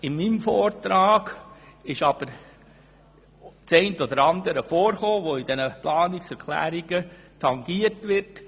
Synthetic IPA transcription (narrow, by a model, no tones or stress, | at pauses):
ɪmimfɔːɾtɾɑːɡ̥ɪʃɑb̥əɾ | t͡sɛɪntɔd̪əɾɑnd̪əɾəfoːɾχoːʋoɪd̪ɛnəplɑːnɪksɛɾkʰlæ̰ːɾiɡ̥ə | tʰɑŋɡ̥iəɾtʋɪrt